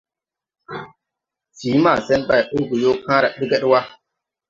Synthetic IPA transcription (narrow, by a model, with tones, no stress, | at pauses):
d͡ʒiː˨˦ma˦˨sɛ˦nɓa˦˨ʔo˦ɡu˨jo˦kʰãː˦ɾa˨ɗi˦ɡɛ˦ɗwa˦